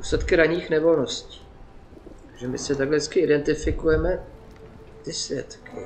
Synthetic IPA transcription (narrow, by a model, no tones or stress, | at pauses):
duːslɛt̪kɪɾaɲiːxnɛvo̞lno̞sci̥ː | ʒɛmɪ̰sɪt̪aɡlɛɛskɪʔɪdɛnt̪ɪfɪkujɛmɛ | t̪ɪsvjɛ̰t̪kɪ̰